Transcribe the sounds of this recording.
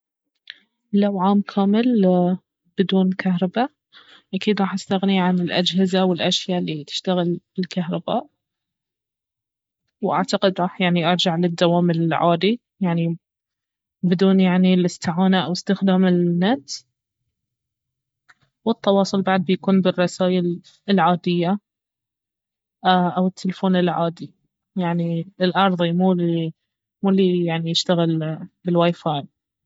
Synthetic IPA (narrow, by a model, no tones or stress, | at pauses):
lawʕaːmkʰaːmɪl | b̥ɪd̪uːnkʰaɦɾˤɑba | ʔakiːd̪ɾˤɑːħʔast̪aɣniʕanɪlʔad͡ʒɦɪzawɪlʔaʃjaːʔlːit̪ɪ̥ʃt̪aɣɪlbɪlkaɦɾˤɑbaːʔ | wʔa̰ʕt̪aqɪd̪ɾˤɑːħjaʕniʔɑɾˤd͡ʒaʕlɪd̪ːawaːmɪlʕaːd̪i | jaʕni | bɪd̪uːnjaʕnilʔɪst̪ɪʕaːnaʔawɪst̪ɪxd̪aːmɪlːat̪ | wɨt̪ːɑwɑːsˤʊlbaʕd̪̚bɪjakuːnbɪrˤːɑsaːjɪl | lʕaːd̪ɪjːa | ʔawɪt̪ʰːɪlfoːnɪlʕaːd̪i | jaʕniɪlʔɑɾˤðˤimuːli | muːlːijaʕnijɪʃt̪aɣɪlbɪlwaːjfaːl